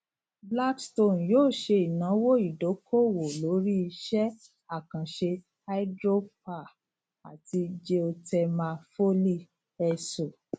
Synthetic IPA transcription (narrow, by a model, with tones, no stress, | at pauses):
bla˦ksto˦˨n˨joː˦˨ʃe˧i˨nã˨˦wo˦i˨do˨˦kʰo˦˨wo˨lo˨˦ɾi˦i˧ʃɛ˦ | a˦˨kã˨ʃe˧ | a˦i˦dɾo˦p̚a˦˨ | a̰˨ti˧d͡ʒe˦o˧tɛ˧mã˧fo˦li˦ | ɛ˧so˨